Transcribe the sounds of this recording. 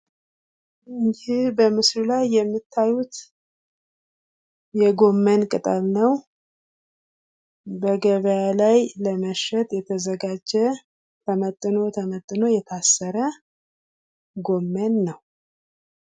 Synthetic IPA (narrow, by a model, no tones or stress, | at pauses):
ɨɲd͡ʒihbəmɨslulajːɛmːit̪ʰːajut̪ | jɛɡo̞mːənkʼɨt̪ʼalnəw | bəɡəβəjalajləməʃɛt̪ʼjɛt̪ʰəzəɡad͡ʒɛ | t̪ʰəmət̪ʼːɨno̞t̪ʰəmət̪ʼːɨno̞jɛt̪ʰasːəɾə | ɡo̞mːənːəw